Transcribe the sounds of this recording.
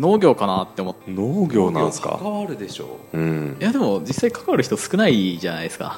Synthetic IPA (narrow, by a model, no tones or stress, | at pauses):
no̞ːɡʲo̞ːkanat̪ːe̞omot̪ːnoːɡʲo̞ːnaã̰nska̰kaβaɾɯ̟d̪e̞ɕo̞̰ːɯ̃jad̪e̞mo̞d͡ʑisːaikḁkaβaɾɯ̟çi̥t̪osɨ̥kɯ̟naiʑanaisɨ̥ka̰